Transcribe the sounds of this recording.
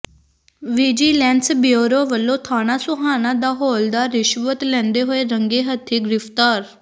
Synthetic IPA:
ʋiːd͡ʒiːlɛ̃ːnsbɪoːɾoːʋəlːõːt̪ʰaːnaːsʊɦaːnãːd̪aːɦoːld̪aːɾɪʃʋət̪lɛ̃ːnd̪eːɦoːeːɾəŋɡeːɦət̪ʰːeːɡɪɾɪpʰt̪aːɾ

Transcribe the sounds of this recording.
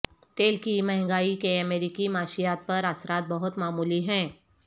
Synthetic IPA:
t̪eːlkimɛɦŋɡaːikeɐmeːɾikimaːʃijaːt̪̚pɐɾasɾaːt̪̚bɐɦʊt̪maːmuːliɦɛ̃ː

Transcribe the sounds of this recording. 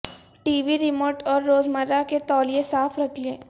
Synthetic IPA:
ʈiːʋiɾɪmoːʈɔːɾːoːzməɾːaket̪ɔːlijẽsaːfɾɐkʰliẽː

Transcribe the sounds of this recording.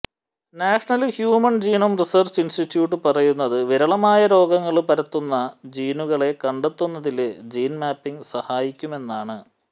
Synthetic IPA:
naːʂɐɳɐlhjuːmɐnd͡ʑiːnumrisɐrt͡ɕinsʈiʈːjuːʈ̬ːɨpɐrɐjunːɐðɨʋiɾɐɭɐmaːjɐɾo̞ːɡɐŋːɐɭpɐɾɐt̪ːunːɐd͡ʑiːnuɣɐɭe̞kɐɳɖet̪ːunːɐðiled͡ʑiːnmaːpːiŋɡsɐhaːjikʲːume̞nːaːɳɨ

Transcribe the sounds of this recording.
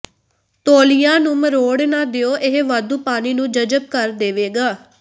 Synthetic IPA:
t̪oːlɪjãːnũːməɾoːɽnaːd̪eoːʔɪɦʋaːd̪uːpaːniːnũːd͡ʒəd͡ʒəb̚kəɾd̪eːʋeːɡaː

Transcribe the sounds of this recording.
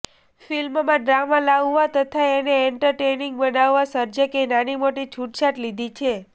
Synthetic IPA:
filmmãɖɾamalaʋːat̪ət̪ʰaeneːɳʈəɾʈeniŋɡbənaʋːãsəɾd͡ʒəkenanimoʈit͡ʃʰuʈt͡ʃaʈlid̪ʱit͡ʃʰe

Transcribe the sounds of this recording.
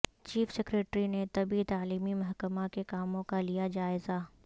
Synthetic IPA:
t͡ʃiːfsɛkɾeːʈɾinet̪ɐbit̪aːliːmimɐɦkəmakekaːmõkalijad͡ʒaːɪzaː

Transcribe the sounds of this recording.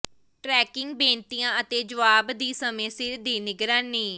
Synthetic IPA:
ʈɾɛːkɪŋɡbẽːnt̪iːãːət̪eːd͡ʒəʋaːbd̪iːsəmẽːsɪɾd̪iːnɪɡɾənːĩː

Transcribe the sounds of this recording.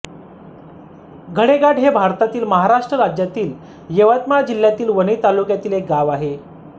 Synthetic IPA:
ɡʱəɽeɡaʈɦebʱaɾt̪at̪iːlməɦaɾaʂʈɾəɾad͡ʑjat̪iːl | jeʋat̪mad͡ʑilːjat̪iːlʋəniːt̪alukjat̪iːlek̚ɡaʋaɦe

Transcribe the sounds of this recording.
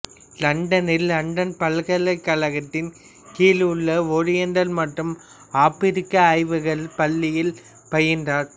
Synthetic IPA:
lɐɳɖɐnɪlːɐɳɖɐnpɐlɣɐlɐɪkːɐɭɐɣɐt̪ːɪn | kiːlɯɭːɐɔɻɪjɐnɖɐlmɐʈrɯm | aːpɪɾɪkːɐːɪʋɯɣɐɭpɐlːɪjɪl | pɐjɪndraːɾ

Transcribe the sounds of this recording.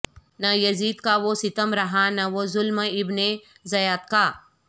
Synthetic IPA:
nɐjɐziːd̪kaʋosɪt̪əmɾɐɦanɐʋozʊlməɪbne | zɐjaːt̪̚kaː

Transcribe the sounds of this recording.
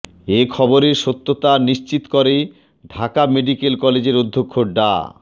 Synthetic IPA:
ekʰɔboɾeɾʃot̪ːot̪aniʃt͡ɕit̪kɔɾe | ɖʱakameɖikelkɔled͡ʑeɾod̪ʱːokʰːoɖa̰

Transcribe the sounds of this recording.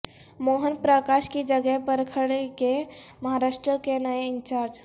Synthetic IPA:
moːɦənpɾəkaʃkid͡ʒəɡɛpəɾkʰəɽeke | məɦaɾaːʃʈɾəkenəeɪnt͡ʃaːɾd͡ʒ

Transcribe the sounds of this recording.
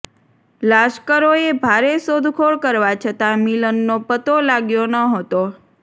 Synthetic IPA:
laʃkəɾoebʱaɾesod̪ʱkʰoɭkəɾʋat͡ʃʰət̪amilənːopət̪olaɡjonəɦət̪o

